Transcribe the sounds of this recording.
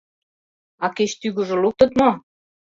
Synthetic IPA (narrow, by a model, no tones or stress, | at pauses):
ɑket͡ɕt̪yɣŏʒŏluk̚t̪ə̆t̪mo